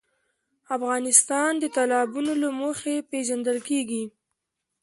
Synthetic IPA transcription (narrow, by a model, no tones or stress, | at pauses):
afɣɑnɪst̪ɑnd̪ət̪alɑbunolamoxepeʒand̪əlkeɡi